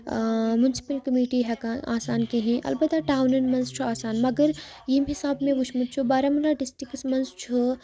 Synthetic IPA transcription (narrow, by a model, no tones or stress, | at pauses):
mjʊnɪsɪ̥pəlkɐmiːʈiɦɛkanʔaːsaːnkeɦɛ̃ʔɐ̰lbət̪ːaʈaːwnɐnmɐ̃nzt͡ʃʰuaːsaːnmɐɡəɾ | jimɦɪsaːbmẽʋʊʃmut̪̚t͡ʃʰubaːɾɐmlaɖɪsʈɪksmɐ̃nzt͡ʃʰu